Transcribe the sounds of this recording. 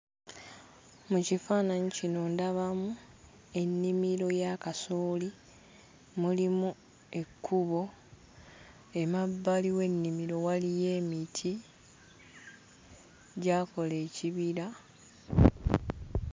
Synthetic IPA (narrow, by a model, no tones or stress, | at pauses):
mucifaːnaɲicino̞ndaβamu | e̞nːimiɾo̞jakasoːli | mulimu | e̞kʰːuβo̞ | e̞mabːaliwe̞nːimiɾo̞walije̞ːmitʰi | ɟaːko̞le̞ːciβiɾa